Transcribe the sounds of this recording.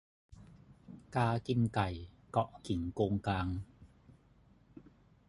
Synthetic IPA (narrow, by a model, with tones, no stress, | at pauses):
kaː˧ki˧nka˨˩j | kɔ˨˩ʔki˩˦ŋkoː˧ŋkaː˧ŋ